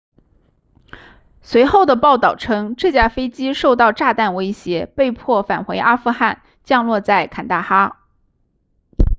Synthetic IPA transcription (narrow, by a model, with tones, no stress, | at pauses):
swe˧˥ɪxo˥˩ʊd̪ə˩pɑ˥˩ʊt̪ɑ˥˩ʊʈ͡ʂʰɤ˥ŋʈ͡ʂɤ˥˩t͡ɕja˥˩fe˥ɪt͡ɕi˥ʂo˥˧ʊt̪ɑ˥˧ʊʈ͡ʂa˥˧t̪a˥˩nwe˥ɪɕjɛ˧˥pe˥˧ɪpʰwɔ˥˩fa˨˩nxwe˧˥ɪʔa˥fu˥˧xa˥˩n | t͡ɕjɑ˥˧ŋlwɔ˥˧t͡sa˥˩ɪkʰa˨˩nt̪a˥˩xa˥